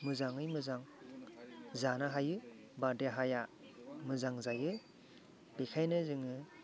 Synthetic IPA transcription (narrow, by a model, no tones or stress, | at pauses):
mɯzaŋɯjmɯzaŋ | zanaɦajɯ | badeɦajamɯzaŋzajɯ | bekʰajnɯzɯŋɯ